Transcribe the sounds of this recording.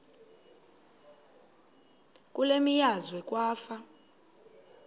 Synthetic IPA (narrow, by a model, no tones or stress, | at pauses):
kʼulemijazwɛk̬ʼwaːfa